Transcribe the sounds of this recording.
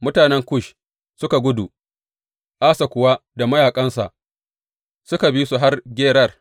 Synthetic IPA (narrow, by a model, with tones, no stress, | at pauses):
mʊ˦taː˨nɛ˦ŋkʷʊ˦ʃ | sʊ˦ka˨ɡʷʊ˦du˨ | ʔaː˦sa˨kʷʊ˨wa˦da˨mɐ˦jaː˨kʼɐ˦nsa̰˨ʔ | sʊ˦ka˨bi˦su˨ɦa˦rɡʲeː˦ɽɐ˦˨r